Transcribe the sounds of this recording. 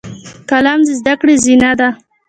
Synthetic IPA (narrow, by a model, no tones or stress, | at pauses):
kalɑmd̪əzd̪akɽezinad̪a